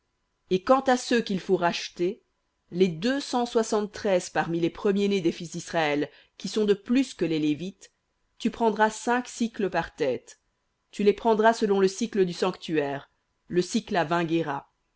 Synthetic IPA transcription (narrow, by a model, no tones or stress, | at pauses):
ekɑ̃t̪asøkʲilfoʁaʃt̪e | led̪øsɑ̃swasɑ̃t̪ːχɛzpaʁmilepχəmjened̪efis̬d̪isχaɛl | kʲisɔ̃d̪əplyskəlelevit̪ː | ypχɑ̃d̪ʁasɛ̃ksikləpaʁt̪ɛt̪ː | ylepχɑ̃d̪ʁasəlɔ̃ləsikləd̪ysɑ̃kt̪yɛːʁ | ləsiklavɛ̃ɡeʁa